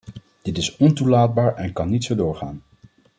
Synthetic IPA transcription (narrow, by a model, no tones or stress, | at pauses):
d̥ɪtɪsɔntulaːd̚baːɹɛnkɑnːitsowdʊːɹχa̰ːn